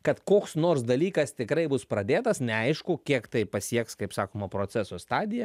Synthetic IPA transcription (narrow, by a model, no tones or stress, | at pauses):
kɐt̪koːksnoːɾsd̪ɐlʲiːkɐst̪ʲɪkɾɐɪbʊspɾɐd̪ʲeːt̪ɐsnʲɛɐɪʃkʊkʲiɛkt̪ɐɪpɐsʲiɛkskɐɪpsɑːkoːmɐpɾoːt͡ssʲɛsost̪ɑːd̪ʲɪjɛ